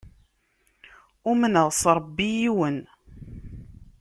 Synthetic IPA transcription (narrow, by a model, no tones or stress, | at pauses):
ʊmənəðˤsˤɾˤəbːijiwən